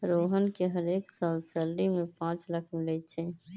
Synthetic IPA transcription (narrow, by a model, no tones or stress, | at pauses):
ɾoːɦənkeɦəɾeːksalsəlːimẽpãːt͡ʃləkʰmɪlɛt͡ʃʰɛː